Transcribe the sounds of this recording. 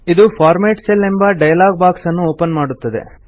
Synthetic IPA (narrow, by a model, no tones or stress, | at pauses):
id̪upʰaːɾmeːʈselembɐɖɐjɐlaːɡ̚baːksɐnːuoːpɐnmaːɽut̪ːɐd̪e̞̰